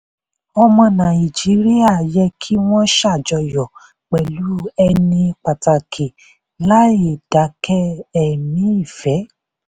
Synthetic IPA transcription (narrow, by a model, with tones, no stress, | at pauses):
ɔ˧mɔ̃˧nã˨i˨d͡ʒi˨˦ɾi˦a˦˨jɛ˧kʰi˦w̃ɔ̃˦ʃa˦˨d͡ʒɔ˧jɔ˨ | k͡pɛ˨lu˨˦ɛ˧nĩ˧k͡pa˨ta˨kʰe˨ | la˦e˨d̥a˨˦kɛ˦ɛ˨nĩ˨˦i˦˨fɛ˨˦